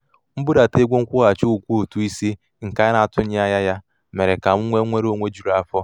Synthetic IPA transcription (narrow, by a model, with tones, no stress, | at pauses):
m̩˦bʊ˦da˨te˦ɡʷo˦ŋ̩˦kʷʊ˦ɣa˨t͡ʃo˦u˨kʷu˦o˨tu˦i˦si˦ | ŋ̩˨ka˦jna˨a˨tʊ˦ɲɪ˦a˦ja˦ja˦ | me˨ɾe˨ka˨mu˦ŋʷe˦ŋʷe˦ɾo˦˨ŋʷe˦d͡ʒu˨ɾa˦˨fɔ˦